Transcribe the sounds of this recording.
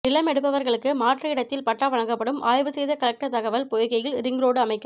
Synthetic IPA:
ɪlɐmɛɽɯpːɐʋɐɾɣɐɭɯkːɯmaːʈrɐɪɽɐt̪ːɪlpɐʈːaːʋɐɻɐŋɡɐpːɐɽɯmʔaːjʋɯsɛjðɐkɐlɐk̚ʈɐt̪ɐɣɐʋɐlpɔjɪɣɐjɪlɾɪŋɡɾoːɽɯɐmɐɪkːɐ

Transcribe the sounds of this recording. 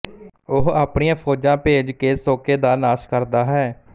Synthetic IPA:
ʊɦaːpɳijãːpʰoːd͡ʒãːpeːd͡ʒkeːsoːkeːd̪aːnaːʃkəɾd̪aːɦɛː

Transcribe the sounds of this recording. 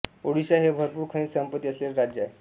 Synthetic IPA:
oɽiɕaɦebʱəɾpuːɾkʰə̃ĩsəmpət̪ːiːəsleɾɾad͡ʑjae

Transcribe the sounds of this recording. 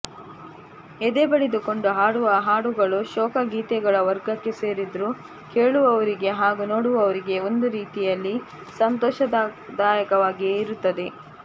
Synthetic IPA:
ed̪eːbɐɭed̪uko̞ɳɖuɦaːɽuʋɐɦaːɽuɡɐɭuʃɔːkɐɡiːt̪ɛɡɐɭɐʋɐɾɡɐkːe̞se̞ːɾid̪ɾu | ke̞ːɭuʋɐʋɐɾiɡe̞ɦaːɡuno̞ːɽuʋɐʋɐɾiɡe̞o̞nd̪uɾiːt̪ijɐlːi | sɐnt̪ɔːʃɐd̪d̪aːjɐkɐʋaːɡiiɾut̪ːɐd̪e̞

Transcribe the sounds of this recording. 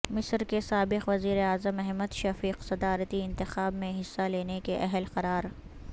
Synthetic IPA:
mɪsɾkesaːbɪqʋɐziːɾeaːzəmɛɦməd̪ʃɐfiːqsɐd̪aːɾət̪iɪ̃nt̪ɪxaːbmẽɦɪsːaleːnekeʔɛɦəlqɐɾaːɾ

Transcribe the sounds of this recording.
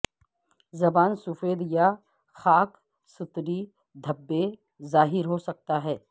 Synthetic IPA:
zɐbaːnsʊfeːd̪ja | xaːk | sɪt̪ɾi | d̪ʱɐbːe | zaːɦɪɾɦosɐk̚t̪aɦɛː

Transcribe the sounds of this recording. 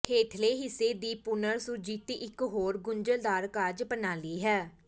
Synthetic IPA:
heːt̪ʰleːɦɪsːeːd̪iːpʊnəɾsʊd͡ʒiːt̪iːʔɪkɦoːɾɡʊɲd͡ʒəld̪aːɾkad͡ʒpənaːliːɦɛː

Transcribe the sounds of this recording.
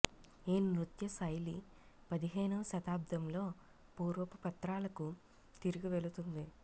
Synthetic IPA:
eːnɾut̪jɐsɐjli | pɐd̪iɦɛːnɐʋɐʃɐt̪aːb̚d̪ʱɐmlo̞ː | puːɾʋɐpɐpɐt̪ɾaːlɐku | t̪iɾuɡiʋe̞lut̪und̪i

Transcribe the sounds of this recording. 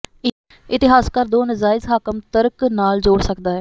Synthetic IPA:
ɪt̪ɪɦaːskəɾd̪oːnəzaːɪzɦaːkəmt̪əɾəknaːld͡ʒoːɽsəkd̪aːɦɛː

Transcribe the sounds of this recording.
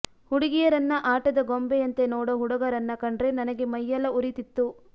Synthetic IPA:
huɽiɡijɐɾɐnːɐʔaːʈɐd̪ɐɡombeɐnt̪e̞noːɽɐɦuɽɐɡɐɾɐnːɐkɐɳɖɾe̞nɐnɐɡe̞mɐjːɐlɐuɾit̪it̪ːu

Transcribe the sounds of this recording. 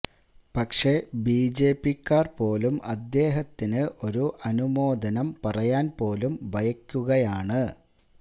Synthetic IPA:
pɐkʂe̞biːd͡ʑe̞ːpːikːaːrpo̞ːlumɐd̪ːe̞ːɦɐt̪ːinɨʔo̞ɾuʔɐnumo̞ːd̪ʱɐnɐmpɐrɐjaːnpo̞ːlumbʱɐjɐkʲːuɣɐjaːɳɨ

